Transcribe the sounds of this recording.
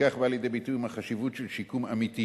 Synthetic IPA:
aχbaljed̪ebitujimhaχaʃivutʃelʃikuma̰miti

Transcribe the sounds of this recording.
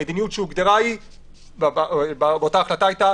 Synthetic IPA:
ed̪inijutʃeuɡd̪eʁai | babbabeot̪aːχlat̪aajt̪a

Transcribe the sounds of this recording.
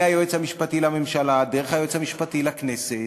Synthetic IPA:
ajoet͡shamiʃpatilamemʃaladeʁeχhajoet͡shamiʃpatilaknese

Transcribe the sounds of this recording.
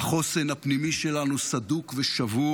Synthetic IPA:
aχo̞senhapnimiʃe̞lanusad̪ukveʃavu

